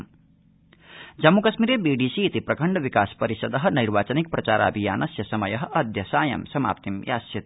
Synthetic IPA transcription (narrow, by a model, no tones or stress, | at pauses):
d͡ʒɐmːukɐsmiɾebiɖisiːt̪ipɾɐkʰəɳɖʋikaːspɐɾisəd̪ʌɦniɾʋaːt͡ʃɐnik̚pɾɐt͡ʃaːɾa̰bʱijaːnɐsjɐsɐmɐjɐɦʔɐd̪ʱjɐsaːjɐ̰msɐma̰ːpt̪imja̰ːsjit̪